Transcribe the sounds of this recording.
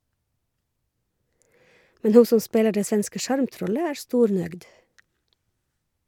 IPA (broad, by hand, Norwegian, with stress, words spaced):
ˈmɛn ˈhuː ˈsɔn ˈspeːlɑ ˈɖeː ˈsʋɛnskə ˈʃɑɹmˌtɾɔlə ˈæːɹ ˈstuːɾˌnœɡd